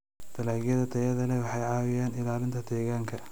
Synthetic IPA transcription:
t̪ʰɐlaːɣjɐðɐt̪ʰɛjɐðɐlɛwɑħɑjʕɑːwɪjaːnɪlaːlɪnt̪ʰɐt̪ʰɛːɣaːŋkʰɐ

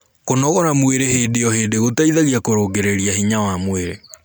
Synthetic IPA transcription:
konɔɣɔɾamweɾeɦeːdejɔheːdeɣotaiðaɣiakoɾoɡeɾeɾiahiɲawamweɾe

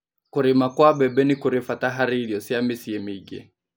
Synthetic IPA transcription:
kuɾimakwabɛbɛnikuɾifataɦaɾiliɔsiamisiɛmiɡɛ̰

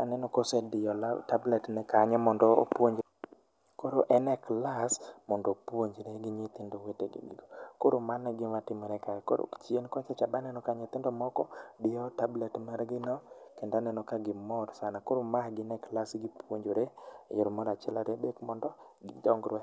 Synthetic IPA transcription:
anɛnɔkosɛdɪɔltablɛtnɛkaɲɛmɔndɔo̰pwoɲd͡ʒ | koɾoʔɛnɛklasmɔndopwoɲd͡ʒɾeɡɪɲet̪ɪndoweteɡɪ̰ɡḭɡokoɾomanːɛɡɪmatɪmɛɾɛkajɛko̰ɾo̰kt͡ʃenkwat͡ʃɛt͡ʃabanɛnɔkaɲɪt̪ɪndɔmɔkɔdɪjɔtablɛtmɛɾɡɪnɔkɛndanɛnɔkaɡɪmɔɾsanakoɾomaɡɪnɛklasɡɪpwoɲd͡ʒoɾeḛjoɾomɔɾat͡ʃɛlaɾebekmɔndɔɡɪdɔŋɡɾwɛ

